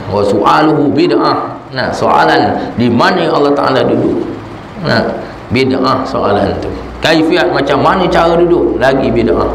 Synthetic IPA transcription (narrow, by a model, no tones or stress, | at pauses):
wasuʔaluɦubidaʔah | na̰so̰a̰landimanəalːɑht̪a̰ʔa̰ladudʊ̰ʔ | na̰ | bida̰ʔahsoalant̪u | kajifiat̪̚mat͡ʃamːanət͡ʃaɾəduduʔlaɡibidaʔa